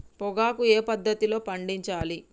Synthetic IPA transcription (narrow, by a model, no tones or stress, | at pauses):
pɔɡaːkueːpɐd̪ːɐt̪ilo̞ːpɐɳɖiɲt͡ʃaːli